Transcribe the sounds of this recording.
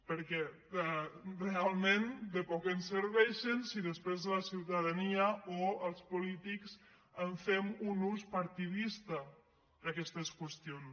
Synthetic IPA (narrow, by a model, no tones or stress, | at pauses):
pəɾkɛ | realˠmend̪əpɔkənsəɾβɛʃənsiðəspɾezðələsiwt̪aðaniəoəlˠspulit̪iks | əɱfɛmunuspaɾt̪iðist̪ə | d̪akɛst̪əskwəst̪ion